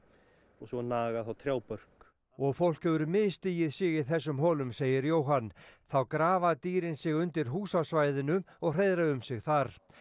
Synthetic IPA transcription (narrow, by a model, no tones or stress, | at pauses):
ɔɣsɔnaːɣaθawt̪ʰɾjaːwpœr̥k | ɔɣfowl̥kɛvʏɾʏmɪðst̪iːjɪðsɪɣɪðθɛs̬ːʏmɦɔːlʏmseːjɪɾjowɦanːθawkɾaːvaðt̪iːɾɪnsɪɣʏnt̪ɪɾ̥ɦuːsasvajðɪnʏɔɣr̥ejðɾaʏmsɪɣθaɾ̥